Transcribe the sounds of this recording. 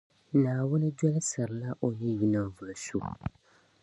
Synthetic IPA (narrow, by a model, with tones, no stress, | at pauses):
naː˨wʊ˦nɨ˦dɔ˦lsɨ˨ɾɨ˨la˦ʔo˨jɛ˦ji˦nɨ˦mvʊ˨sṵ˦